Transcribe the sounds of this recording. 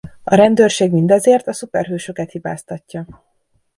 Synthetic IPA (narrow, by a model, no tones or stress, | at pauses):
ɒɾɛnd̪øːrʃeːɡmind̪ɒzeːrt̪ɒsupɛrɦøːʃø̞kɛt̪hibaːst̪ɒcːɒ